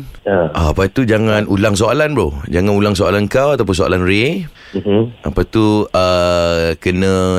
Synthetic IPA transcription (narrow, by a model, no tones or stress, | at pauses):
aʔaapat̪ud͡ʒaŋãnulaŋs̬oalanbɾod͡ʒaŋãnulaŋs̬oalankawat̪awp̬ʊns̬oa̰lanɾe | apat̪uə | kənə̃